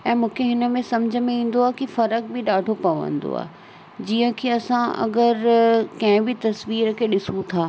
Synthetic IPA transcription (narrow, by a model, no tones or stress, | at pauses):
ɛ̃ːmũːkʰeɦɪnə̆mẽsɐmd͡ʑʱəmẽĩːn̆d̪oaːɦkifɐɾək̚bʱɪɗaːɖʱopɐʋə̰̃nd̪o̰a̰ː | d͡ʑiːə̃kʰeːɐsãɐ̰ɡəɾkɐ̃ɦɪ̃bɪt̪ɐsʋiːɾəkʰeːɗɪsũt̪ʰaː